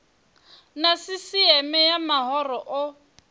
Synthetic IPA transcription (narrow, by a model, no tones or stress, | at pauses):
nasɪsiɛmɛjamahɔrɔʔʊ